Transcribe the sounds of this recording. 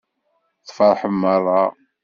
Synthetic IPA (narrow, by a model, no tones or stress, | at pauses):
θfɑɾˤħəmːərˤːɑ